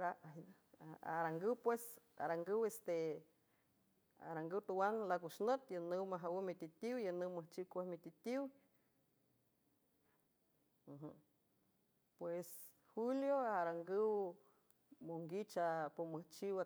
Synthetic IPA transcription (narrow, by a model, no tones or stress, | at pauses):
ɾa | a̰ɾaŋɡɨwpwesa̰ɾaŋɡɨwest̪e | a̰ɾaŋɡɨwt̪uwaŋlakuʃnət̪janɨwmaɦawəmit̪it̪iwjanɨwməht͡ʃiwkʷehmit̪it̪iw | ɦ̩ | pwes | huljoaɾaŋɡɨw | moŋɡit͡ʃapoməht͡ʃiwa